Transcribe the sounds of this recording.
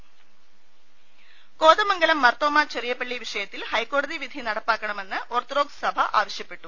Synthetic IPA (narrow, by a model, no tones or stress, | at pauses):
ko̞ːðɐmɐŋɡɐlɐmːɐrt̪oːmaːt͡ɕerijɐpːɐɭːiʋiʂɐjɐt̪ːilhɐjkːo̞ːɽɐðiʋid̪ʱinɐɽɐpːaːkːɐɳɐme̞nːɨʔort̪ɐro̞ːɡsɐbʱɐʔa̰ːʋɐɕjɐpːe̞ʈːu